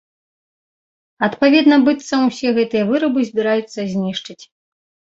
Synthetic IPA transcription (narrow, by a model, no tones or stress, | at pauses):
ɐt̪pavʲɛd̪nɐbɨt̪sɐmusʲɛɣɛt̪ɨjɐvɨɾɐbɨzʲbʲiɾajut̪sːɐzʲnʲiʂt͡ʂɨt͡sʲ